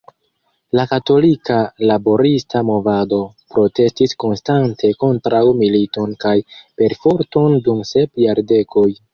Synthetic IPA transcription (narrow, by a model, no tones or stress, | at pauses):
lakato̞likalabo̞ɾistamo̞vado̞ | pɾo̞te̞stisko̞nstantʰe̞ko̞ntɾawmilito̞nkajpe̞ɾfo̞ɾto̞ndumse̞pjaɾde̞kʰo̞j